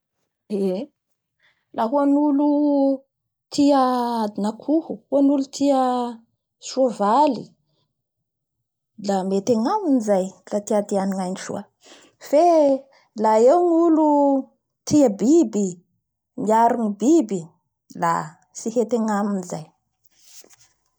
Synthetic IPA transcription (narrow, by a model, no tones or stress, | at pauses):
e | laɦuanulu | t̪ʰiəad̪inakʰuhuhuanulut̪ʰiə | suavalḭ | lamet̪eŋaminizajlat̪iad̪ianiŋajnʈ͡ʂṵa | fe | laewnulu | t̪iəbibi | miaɾunibibi | la̰ | sihet̪eŋaminizaj